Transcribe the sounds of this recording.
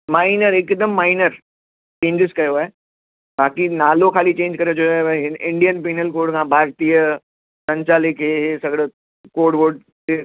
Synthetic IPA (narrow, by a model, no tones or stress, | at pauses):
maːɪnəɾɪkd̪əmːaːɪnəɾ | t͡ɕẽːɲd͡ʒɪskɐjoaːɦe | baːkinaːlokʰaːlit͡ɕẽːɲd͡ʑkɐɾed͡ʑoaːeʋɪ̃ɳɖijənpiːnəlkoːɖkʰãbʱaːɾt̪ijə | tɐ̃ɲt͡ɕaːlɪkʰːeːɦsɐɡɽe | koːɖʋoːɖ | e